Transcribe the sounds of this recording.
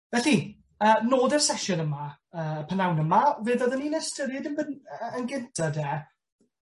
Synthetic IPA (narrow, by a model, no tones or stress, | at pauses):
vɛɬi | əːnoːdɛrsɛʃɔnəmaəːpʰənawnəmaveːðɔðəninɛstəɾɪdɪnbəənɡɪntʰadɛː